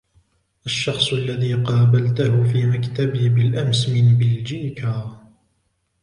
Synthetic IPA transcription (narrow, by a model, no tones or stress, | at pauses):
ʔaʃːɑxsˤʔalːaðiːqɑːbalt̪ahʊfiːmakt̪abibɪlʔamsmɪnbɪld͡ʒiːkaː